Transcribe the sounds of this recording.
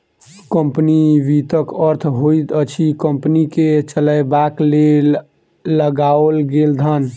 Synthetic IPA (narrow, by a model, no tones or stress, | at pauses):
kəmpniʋit̪əkəɾt̪ʰɦoit̪ət͡ʃʰikəmpniket͡ʃələjbaklelː | əɡaolɡeld̪ʱən